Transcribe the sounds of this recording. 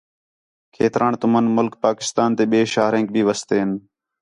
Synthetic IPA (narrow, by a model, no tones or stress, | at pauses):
kʰeːt̪ɾaːɳt̪ʊmənmʊlkpaːkɪ̥st̪aːnt̪eːɓeːʃaːɾẽːŋk̚bʱiːʋəst̪eːɦɪn